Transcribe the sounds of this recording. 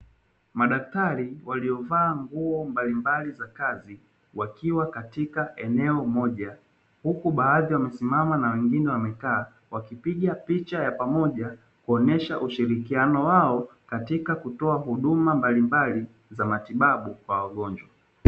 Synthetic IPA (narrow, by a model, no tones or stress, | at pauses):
maɗak̚taɾiwaliɔvaːŋɡuɔmbalimbalizakazi | wakiwakatikaʔɛnɛɔmɔʄa | hukuɓaːðiwamɛsimamanawɛŋɡinɛwamɛkaː | wakipiɠapit͡ʃajapamɔʄa | kuɔnɛʃaʔuʃiɾikianɔwaɔkatikakutɔaɦuɗumambalimbali | zamatiɓaɓukwawaɠɔɲd͡ʒwa